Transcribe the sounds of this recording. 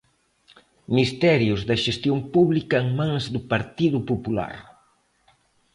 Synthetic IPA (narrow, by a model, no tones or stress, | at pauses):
mist̪ɛɾjʊzðɐʃest̪jompuβlikɐeŋmãŋzd̪ʊpaɾt̪iðʊpopula̰ɾ